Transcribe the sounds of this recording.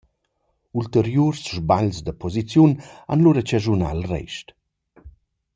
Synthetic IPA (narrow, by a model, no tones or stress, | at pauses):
ult̪eɾjuɾsʒbaʎsd̪əpʰɔzit͡sjuna̰nluɾat͡ʃaʒuna̰lrɛ̰ʃt